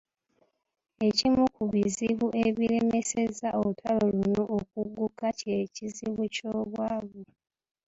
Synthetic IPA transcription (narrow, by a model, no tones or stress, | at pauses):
e̞cimukuβiziβuʔe̞βiɾe̞me̞se̞zaolutʰaloluno̞ʔːkuɡːukaceciziβucoːβwaːβu